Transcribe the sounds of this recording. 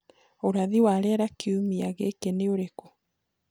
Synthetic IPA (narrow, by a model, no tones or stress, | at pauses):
oɾaðiwaɾɛːɾakeumiaɣeːkeneoɾeko